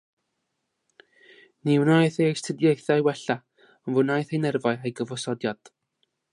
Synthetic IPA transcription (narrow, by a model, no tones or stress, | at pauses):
nɪwnajθejstʰədjejθajwɛɬa | ɔnvʊnajθejnɛrvaɨejɡəvɔsɔdjad̥